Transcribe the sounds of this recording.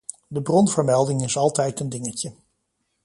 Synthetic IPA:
dəbrɔnvəɹmɛlˠdɪŋɪsɑlˠtɛjtəndɪŋəcə

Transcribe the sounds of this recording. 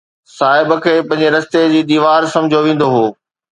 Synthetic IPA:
saːɦɪbəkʰeːpɐ̃ɦɪ̃ɲd͡ʑeɾɐst̪ed͡ʑiːd̪iːʋaːɾsɐ̃md͡ʑʱoʋẽːn̆d̪oɦoː

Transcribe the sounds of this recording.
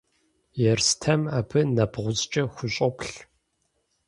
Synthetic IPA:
jɛrstʰɐmaːbʰɨnɐbʁʷʊzt͡ʃʼɐxʷʊɕʼɔpɬ

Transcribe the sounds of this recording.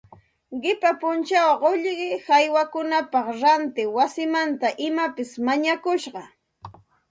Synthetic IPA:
ɢɪpapʊnt͡ʃawɢoʎɢɪhajwakʊnapɑχɾant̪ɪwasɪmant̪aʔɪmapɪsmaɲakʊʃɢɑ

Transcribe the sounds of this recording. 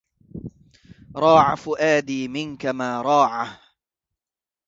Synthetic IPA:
ɾˤɑːʕa̰fʊʔaːd̪iːmɪnkamaːɾˤɑːʕa

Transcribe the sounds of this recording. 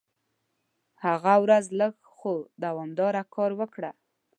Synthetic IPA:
haɣawɾazləɡ | xod̪awɑmd̪ɑɾakʰɑɾwəkɽa

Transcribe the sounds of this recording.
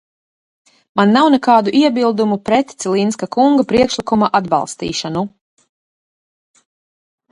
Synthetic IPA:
manːawnɛkaːd̪uʔiɛbilˠd̪umupɾɛt̪t̪silinskakuŋɡapɾiɛkʃlikumaʔad̪ba̰lˠst̪ḭːʃanu

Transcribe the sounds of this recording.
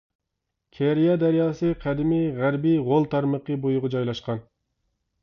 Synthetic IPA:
kʲʰɛɾijɑd̪æɾjɑːsɨqʰæd̪ɪmɪʁæɾbiʁolˠt̪ʰɑɾməqʰəbojʊʁɑd͡ʒɑjlˠɑʃqɑn

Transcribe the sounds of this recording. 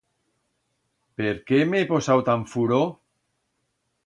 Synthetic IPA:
peɾkemeeposawt̪aɱfuɾo

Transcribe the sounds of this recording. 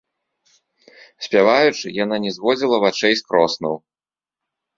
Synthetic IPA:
sʲpʲavajut͡ʂɨjan̪anʲɛzvɔd͡zʲilˠɐvat͡ʂɛjskɾɔsnɐw

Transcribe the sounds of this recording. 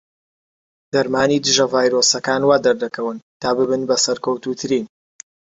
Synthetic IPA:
d̪̥ɐɾmaːniːd̪ɨʒɐvaːjɾosɐkaːnwaːd̪ɐɾd̪ɐkʰɐwɨnt̪ʰaːbɨbɨnbɐsɐɾkɐwt̪uːt̪ʰɨɾiːn

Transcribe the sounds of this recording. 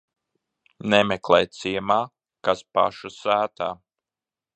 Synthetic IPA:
nɛmɛklˠɛjt̪siɛmaː | kaspa̰ʃusæːt̪aː

